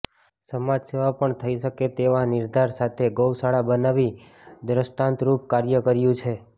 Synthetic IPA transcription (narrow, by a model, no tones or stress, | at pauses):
səmad͡ʒseʋapəɳt̪ʰəiʃəket̪eʋanɪɾd̪ʱaɾsat̪ʰeɡowsaɽabənaʋi | d̪ɾəsʈãnt̪ɾupkaɾjəkəɾjũt͡ʃʰe